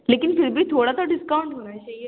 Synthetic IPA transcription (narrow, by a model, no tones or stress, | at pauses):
leːkɪnpʰɪɾbʱit̪ʰoːɽat̪ʰaɖɪskaːʊ̃ɳʈɦoːnat͡ʃaːɦi